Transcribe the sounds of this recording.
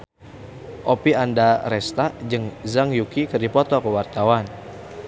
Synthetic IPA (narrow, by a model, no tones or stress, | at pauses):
ʔopiandaɾɛst̪ad͡ʒəŋzaŋjukikərdipɔt̪okəwart̪awan